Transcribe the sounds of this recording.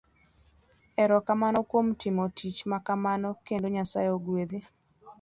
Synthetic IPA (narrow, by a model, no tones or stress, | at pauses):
ɛɾɔkamanɔkwomtɪmɔtʰit͡ʃmakamanɔkendoɲasa̰jeoɡweðe